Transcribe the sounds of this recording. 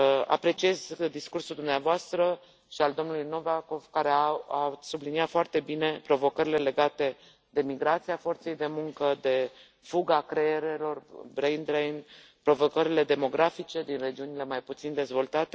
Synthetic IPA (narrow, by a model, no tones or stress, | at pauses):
a̰pɾe̞t͡ʃie̞zd̪iskursuld̪umneavoast̪ɾə | ʃiald̪o̞mnulujno̞vako̞v̥kaɾeaasubliniat̪foart̪e̞bine̞pɾo̞vo̞kəɾile̞le̞ɡat̪e̞ | d̪e̞miɡɾat̪siafo̞rt̪se̞jd̪e̞muŋkəd̪e̞ | fuɡakɾeeɾe̞lo̞rbɾejnd̪ɾejn | pɾo̞vo̞kəɾile̞d̪e̞mo̞ɡɾafit͡ʃe̞d̪inre̞d͡ʒiunile̞majput̪sind̪e̞zvo̞lt̪at̪e